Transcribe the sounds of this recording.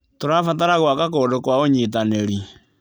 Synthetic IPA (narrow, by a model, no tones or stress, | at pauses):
toɾafataɾaɣwakakodokwaoɲet̬aneɾi